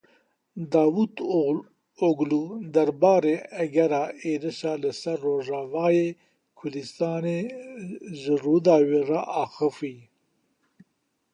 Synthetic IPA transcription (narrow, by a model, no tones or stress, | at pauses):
d̪ɑːwut̪ | oɡlud̪ɐɾbɑːɾeæɡɛɾaːeːɾɨʃaːləsɐɾːoːʒɑːvɑːjeː | kʰʊɾd̪ist̪ɑːne | ʒɨrud̪ɑːweːraʔɑːxɨfi